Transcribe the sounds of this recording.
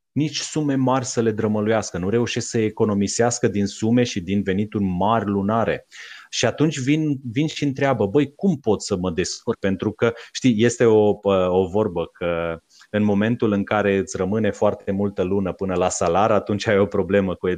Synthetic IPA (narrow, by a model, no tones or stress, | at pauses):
nit͡ʃʲsume̞marʲsəle̞d̪ɾəməlujaskənuɾe̞uʃe̞sksəeko̞no̞miseaskəd̪insume̞ʃid̪inve̞nit̪urʲmarʲlunaɾe̞̰ʃiat̪unt͡ʃʲvinvinʃiɨnt̪ɾeabəbəjkumpo̞t̪sʲsəməd̪e̞skur̚pe̞nt̪ɾukəʃt̪ije̞st̪e̞o̞əovo̞rbəkʰə | ɨnmo̞me̞nt̪ulɨŋkaɾe̞ɨt̪sʲrəmɨne̞foart̪e̞mult̪əlunəpɨnəlasalaɾəat̪unt͡ʃʲaveo̞pɾo̞ble̞məkue